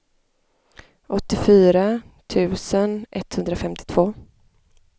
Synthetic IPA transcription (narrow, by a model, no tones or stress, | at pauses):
ʔɔt̪ːɪfyːɾa | t̪ʰʉ̟ːsənʔɛt̪ːhɵnd̪ɾafɛmt̪ʰɪ̥t̪ʰv̥oː